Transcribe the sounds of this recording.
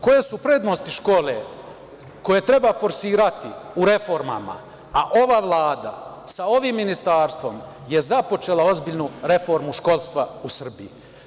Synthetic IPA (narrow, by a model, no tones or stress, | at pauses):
ko̞je̞supɾe̞ːd̪nost̪iʃko̞ːle | ko̞je̞t̪ɾe̞bafo̞ɾsiːɾat̪iuɾe̞fo̞ɾma̰ma̰ | aʔo̞ʋaʋlˠaːd̪a̰ | sao̞ʋimːinist̪aːɾst̪ʋo̞m | je̞zapo̞t͡ʃe̞ːlao̞zbiʎnuɾe̞fo̞ɾmuʃko̞lˠst̪ʋausr̩bii